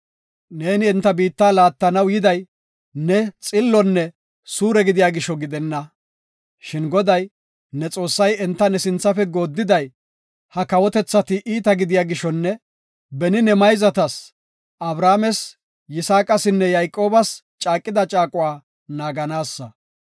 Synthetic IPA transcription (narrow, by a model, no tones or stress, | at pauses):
ne̞ːnɪɛnt̪ːɐbiːt̪ːaːlaːt̪ːɐnɐwjɪd̪ɐj | nɛt͡sʼɪlːɔnːɛ | suːɾɛɡɪd̪ɪjaːɡɪʃɔɡɪd̪ɛnːɐ | ʃɪnɡɔd̪ɐj | nɛt͡sʼo̞ːsːɐjɛnt̪ːɐnɛsɪnt͡sːɐfɛɡo̞ːd̪ːɪd̪ɐj | hɐkɐwɔt̪ɛt͡sːɐt̪ɪʔiːt̪ɐɡɪd̪ɪjaːɡɪʃɔnːɛ | bɛnɪnɛmɐjzɐt̪ɐs | ʔɐbɾaːmɛs | jɪsaːkʼɐsɪnːɛjɐjkʼːo̞ːbɐs | t͡ʃʼaːkʼːɪd̪ɐt͡ʃʼaːkʼʊwaː | naːɡɐnaːsːɐ